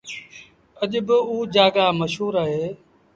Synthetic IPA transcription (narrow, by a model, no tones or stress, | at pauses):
əʄbɪuːd͡ʒaːɡaːməʃɦuːɾaːɦeː